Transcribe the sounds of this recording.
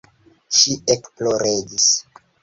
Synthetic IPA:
ʃiʔekploɾeɡis

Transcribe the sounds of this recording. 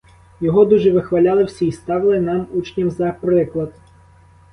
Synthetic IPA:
jɔɦɔd̪uʐɛʋɪxʋalʲalˠɐwsʲiist̪ɑʋlˠɐnamut͡ʃnʲɐmzɐpɾɪklˠɐd̪

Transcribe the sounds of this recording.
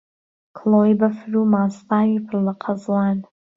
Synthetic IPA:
kʰlˠoːjbɐfɾumaːst̪aːwipʰɨɾlɐqʰɑzlɑːn

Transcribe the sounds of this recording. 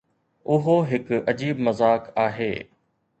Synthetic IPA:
ʊɦoɦɪkɐd͡ʑiːbmɐzaːkaːɦḛː

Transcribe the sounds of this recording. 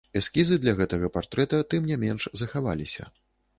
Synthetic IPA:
ɛskʲizɨd̪lʲɐɣɛt̪ɐɣɐpart̪ɾɛt̪ɐt̪ɨmnʲamʲɛnʂzɐxava̰lʲisʲɐ̰

